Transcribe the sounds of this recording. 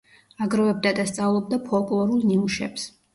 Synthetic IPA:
aɡɾɔvɛb̚d̪ad̪ast̪sʼavlˠɔb̚d̪apʰɔlˠkʼlˠɔɾulˠniuʃɛ̰ps

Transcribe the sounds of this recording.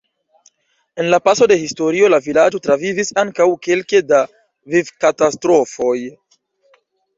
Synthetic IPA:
e̞nlapaso̞de̞histo̞ɾio̞lavilad͡ʒo̞tɾavivisaŋkawke̞lkeda | vivkatastɾo̞fo̞j

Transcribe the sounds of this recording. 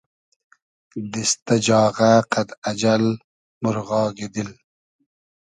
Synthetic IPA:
d̪ist̪ad͡ʒɑːʁaqad̪ad͡ʒal | mʊɾʁɑːɡed̪il

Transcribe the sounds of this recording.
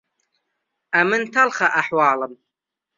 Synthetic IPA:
ʔamɨnt̪alχaʔaħwɑːləm

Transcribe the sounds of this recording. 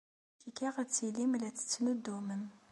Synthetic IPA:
kikiʁæt͡sːilimlæt͡sːə̥t͡sːnud̪ːumən

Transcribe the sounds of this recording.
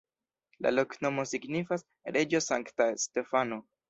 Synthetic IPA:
la̰lo̞kno̞mo̞siɡnifas | ɾʔed͡ʒosaŋktaste̞fano̞

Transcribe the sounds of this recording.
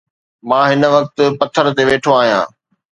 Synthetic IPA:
mãːɦɪnə̆ʋɐk̚t̪ʊ̆pɐt̪ʰːəɾt̪eʋeːʈʰoaːɦijã̰ː

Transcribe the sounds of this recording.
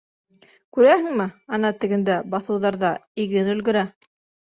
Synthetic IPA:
kʉɾæhɘ̆ŋmɘɑnɑt̪ɘ̆ɡɘ̆nd̪æbɑθɤ̆wðɑɾðɑiɡɘnɵ̆lɡɘ̆ɾæ

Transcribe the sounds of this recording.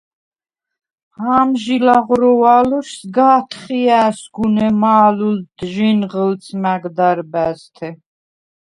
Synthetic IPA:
haːmʒilaʁɾɔwaluʃsɡaːt̪ʰχiæːsɡunɛmaːluld̪ʒinʁəlt͡sʰmaɡd̪aɾbæst̪ʰɛ

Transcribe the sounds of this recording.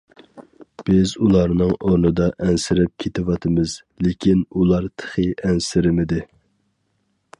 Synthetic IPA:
b̥ɪzulˠɑɾnɨŋoɾnɨd̪ɑʔɛnsɪɾɪp̚kʲʰet̪ʰɪwɑt̪ʰɨmɪz̥ | lɪkʲʰinulˠɑɾt̪ʰə̥χɨʔɛnsɪɾɪmɪd̪ɪ

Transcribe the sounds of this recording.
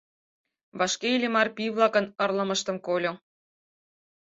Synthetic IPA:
βɑʃkelʲemɑrpiβlˠɑkɤ̆nɤ̆rlə̆mə̆ʃt̪ə̆mkolʲo

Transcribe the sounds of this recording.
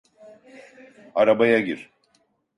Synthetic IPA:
aɾabajaɟiɾ

